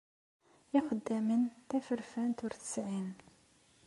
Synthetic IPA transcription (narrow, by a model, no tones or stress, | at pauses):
jɪqəd̪ːæmənt̪æfəɾfænt̪ʊɾθə̥sʕin